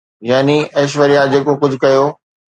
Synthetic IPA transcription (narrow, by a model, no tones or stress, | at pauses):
jaːniʔɐːʃ̬ʋəɾijãd͡ʑeːkokʊd͡ʑʱʊkɐjoː